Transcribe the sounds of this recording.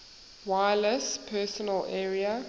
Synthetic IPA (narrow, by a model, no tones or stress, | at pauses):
waɪləspʰɛsɔnəlɛːɹiə